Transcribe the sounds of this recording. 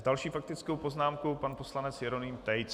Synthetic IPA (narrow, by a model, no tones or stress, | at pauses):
dalʃiːfak̚t̪ɪt͡skowpo̞znaːmkupanposlanɛt͡sjɛɾo̞nɪːmt̪ɛjt͡s